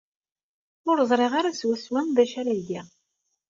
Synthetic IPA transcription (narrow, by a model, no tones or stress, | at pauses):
ʊɾzˤɾˤeʁaɾaswæswænðæʃaɾæiɡi